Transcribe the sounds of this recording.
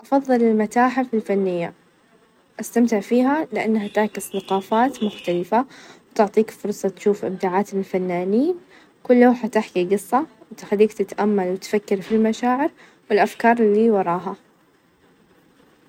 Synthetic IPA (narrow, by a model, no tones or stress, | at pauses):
ʔɑfɑðˤːɨlɪlmat̪aːħafilfanːɪjːa | ʔast̪amt̪ɪʕfiːɦalɪʔanːhat̪aʕkɪsθaqɑːfaːt̪mʊxt̪alɪfawt̪ʊʕt̪ˤiːkfʊɾˤsˤɑt̪ʃuːfʔɪbd̪aːʕaːt̪ɪlfanːaːniːn | kʊlːaːħat̪ɪħkiɡɨsˤːɑwt̪xalːiːkt̪ɪt̪ʔamːalwɪt̪fakːɪɾfilmaʃaːʕɪɾ | wɪlʔafkɑːɾˤlːiːwɑɾˤɑːɦa